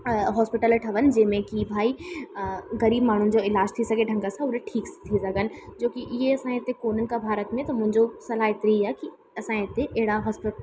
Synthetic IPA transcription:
ɦɔːspɪʈəlʈʰɐʋən̆d͡ʑẽːmẽkibʱaːi | ɣɐɾiːbmaːɳ̤ũn̆d͡ʑoɪlaːd͡ʑt̪ʰisɐɡeɖʱɐ̃ŋɡəsãʊɾeʈʰiːkst̪ʰisɐɡən̆d͡ʑoːkiʔjeɐsãɦet̪ekoːn̤ənɪ̆kabʱaːɾət̪mẽt̪ɐmʊ̃ɦɪ̃ɲd͡ʑosɐlaːɦet̪ɾiaːki | ɐsãɦet̪eʔeɦɪɽaɦɔːspɪ

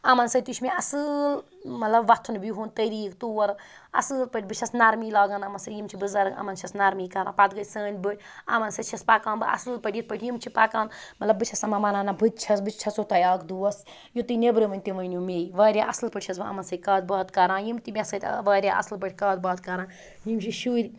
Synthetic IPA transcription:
ɐmɐnsɐt̪it͡ʃʰmʲeɐsɨl | mɐt̪lɐbʋɐt̪ʰːunbjɦuːnt̪ɐɾiːkt̪uːɐɾ | ɐ̰sɨlpəʈʰʲbɨt͡ʃʰɐsnaːɾmiːlaːɡaːnɐmɐnsɐjimt͡ʃʰibɨzɐɾɐ̰mɐnt͡ʃʰɐsnaːɾmiːkɐɾã̰ːpat̪̚ɡɐtʲsəːnʲbɨʈʰʲɐ̰mɐnsɐtt͡ʃʰɐspaːkaːnbɨʔɐ̰sɨlpəʈʲit̪̚pəʈʰʲjimt͡ʃʰipaːkaːnmɐt̪lɐbɨt͡ʃʰɐsɐmɐmɐnaːnabɨt̪̚ʲt͡ʃʰɐsbɨt͡ʃt͡ʃʰɐsoːt̪ɐjaːkd̪uɐs | jut̪ɨnebɾɨʋɐnʲt̪iʋɐnʲjumeːjiʋɐːɾʲjaːʔɐ̰sɨlpəʈʲt͡ʃʰɐsbɨɐ̰mɐnsɐkɐːd̪̚bɐːt̪kɐɾãːnjimt̪imʲɐsɐt̪ʲʋɐːɾʲja̰ːʔɐ̰slp̬əʈʰʲkaːd̪̚bɐːt̪̚kɐɾãː | jimt͡ʃʰiʃuːɾʲ

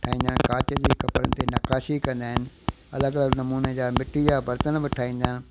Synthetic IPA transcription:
ʈʰaːĩːnd̪ənkaːt͡ɕəd͡ʑeːkɐpəɾə̰nɪ̆t̪enɐkaːʃikɐ̃nd̪aːɦɪnɪ̆ | ɐ̰ləɡɐləɡnɐmuːned͡ʑaːmɪʈʰid͡ʑaːbɐɾt̪ənbɪʈʰaːĩːn̆d̪aːɪnɪ̆

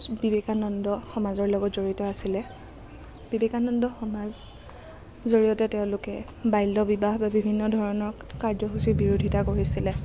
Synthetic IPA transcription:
bibekanɔndɔxɔmazɔɹlɔɡɔtzoɹitɔasilɛ | b̥ibekanɔndɔxɔmaz | zoɹijɔtɛteʊ̃lʊkɛ | bajlːɔbibaɦbabibʱinːɔdʱɔɹɔnɔɹkaɹzɔxusibiɹudʱitakoɹisilɛ

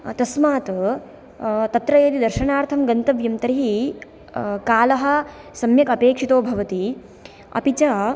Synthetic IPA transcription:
t̪ɐsmaːt̪ | t̪ɐt̪ɾɐjɐːd̪id̪ɐɾʃɐnaːɾt̪ʰɐmɡɐnt̪ɐʋjɐmt̪ɐɾiɦi | kaːlɐɦɐ̆ | sɐmjɐkɐpeːkʂit̪oːbʱɐʋɐt̪i | ɐ̰pit͡ʃɐ

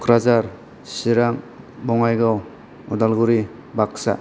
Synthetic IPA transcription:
kʰɾazaɾ | siɾaŋ | bɔŋajɡaw | ɔ̰dalɡuɾi | baksa̰

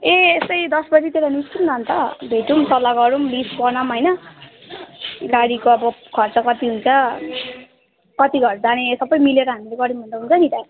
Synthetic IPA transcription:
eest̪ʌjd̪ʌsbʌt͡sit̪eɾanist̪umnʌnt̪ʌbʱeʈumtʌlːaɡʌɾumlispʌnamɦʌjnʌ | ɡaɽikoʌbʌkʰʌrt͡sʌkʌt̪iɦunt͡sʰʌ | kʌt̪iɡʱʌɾd͡zanesʌbʌjmileɾʌɦamileɡʌɽiumund̪ʌɦunkʌɡit̪a

